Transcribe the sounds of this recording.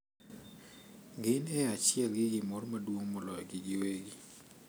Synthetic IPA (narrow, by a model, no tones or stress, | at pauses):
ɡɪnɛat͡ʃɪɛlɡɪɡɪmɔɾmadwoŋmɔlɔjɔɡɪɡɪweɡi